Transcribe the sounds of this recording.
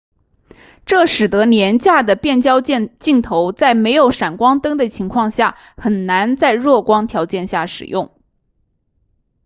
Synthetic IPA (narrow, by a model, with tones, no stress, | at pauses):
ʈ͡ʂɤ˥˩ʂɻ̩˨˩t̪ɤ˧˥njɛ˧˥nt͡ɕja˥˩d̪ə˩pjɛ˥˩nt͡ɕjɑ˥ʊt͡ɕt͡ɕi˥˩ŋt̪ʰo˧˥ʊt͡sa˥˩ɪme˧˥ɪjo˨˧˥ʊʂa˨˩nkwɑ˥ŋt̪ɤ˥ŋd̪ə˨t͡ɕʰi˧˥ŋkʰwɑ˥˧ŋɕja˥˩ | xə˨˩nna˧˥nt͡sa˥˧ɪɻwɔ˥˩kwɑ˥ŋt̪ʰjɑ˧˥ʊt͡ɕjɛ˥˧nɕja˥˩ʂɻ̩˨˩jʊ˥˩ŋ